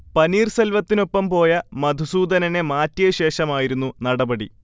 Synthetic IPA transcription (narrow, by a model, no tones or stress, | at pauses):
pɐniːrsɐlʋɐt̪ːino̞pːɐmpo̞ːjɐmɐd̪ʱusuːd̪ɐnɐne̞maːtːijɐɕe̞ːʂɐmaːjiɾunːunɐɽɐbɐɽḭ